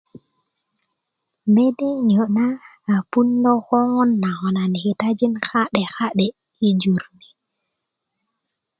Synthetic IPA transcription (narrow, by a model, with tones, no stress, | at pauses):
me˦de˦ni˨o˨naː˦˨ | pu˦ndo˦xo˦ŋo˦nːa˨xo˨na˨ni˨xe˨ta˦d͡ʒi˦nxa˦ɗe˨xa˦ɗe˨ | i˦d͡ʒu˨ɾni˨